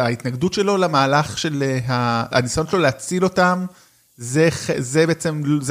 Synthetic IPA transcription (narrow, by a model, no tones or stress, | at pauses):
ait̪naɡdutʃe̞lo̞lamaːlaχʃe̞leɦaa̰nisajo̞nʃelo̞leat͡silo̞tam | zeχezebeet͡se̞mlz